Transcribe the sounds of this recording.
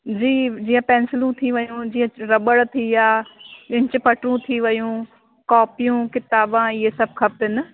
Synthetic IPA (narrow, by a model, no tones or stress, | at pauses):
d͡ʑiːd͡ʑiːə̃pɛ̃ːnsɪlũt̪ʰiʋɐjũd͡ʑiːə̃ɾɐɓəɽt̪ʰiaːɪ̃ɲt͡ɕɪpɐʈɾũt̪ʰiʋɐjũː | kɔːpijũkɪt̪aːbãiɦesɐb̚ʱkʰɐb̚t̪ɪnɪ